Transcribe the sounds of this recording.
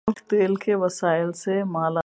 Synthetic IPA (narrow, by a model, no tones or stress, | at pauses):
ft̪eːlkeʋɐsaːɪlsemaːla